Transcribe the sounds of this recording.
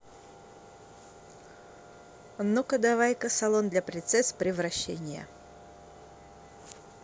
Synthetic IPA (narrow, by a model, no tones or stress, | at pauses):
nukəd̪avajkəsɐlˠond̪lʲapɾʲɪnt̪sɛspɾʲɪvrɐɕːḛnʲɪjə̰